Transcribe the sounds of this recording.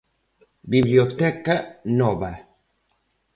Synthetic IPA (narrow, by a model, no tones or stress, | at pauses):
biβliot̪ɛkanoβa